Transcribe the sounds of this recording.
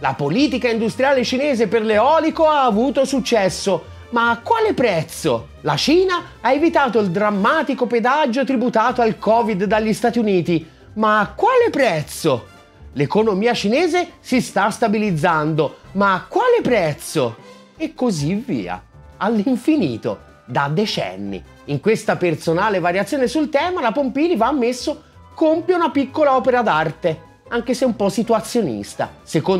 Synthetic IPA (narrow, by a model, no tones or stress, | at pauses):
la̰poliːt̪̬ikaind̪ust̪ɾijaːlet͡ʃineːzeperleɔːlikoaːvuːt̪osut͡ʃːɛsːo | maːkːwaːlepɾɛt̪so | lat͡ʃiːna | aevit̪aːt̪oild̪ɾamːaːt̪ikoped̪ad͡ʒːot̪̬ɾibut̪aːt̪oalkɔːvid̪ːaʎːist̪aːt̪iuniːt̪i | maːkːwaːlepɾɛt̪so | lekonomiːat͡ʃinɛːzesist̪ast̪abilid̪zːand̪omaːkːwaːlepɾɛt̪so | ekːozivḭːa̰alːiɱfiniːt̪o̰ | d̪ad̪ːet͡ʃɛ̰nːḭ | iŋkwest̪apert̪sonaːlevaɾjat̪sːjoːnesult̪ɛːmalapompiːlivaːmːesːo | kompjounapikːolaɔːpeɾad̪art̪e | aŋk̟eseumpɔsit̪uwat̪sːjonḭst̪a̰seko